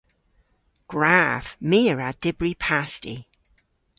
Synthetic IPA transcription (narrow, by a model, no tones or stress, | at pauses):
ɡ̥ɹav̥miəɹəd̥ɪbɹipʰastḭ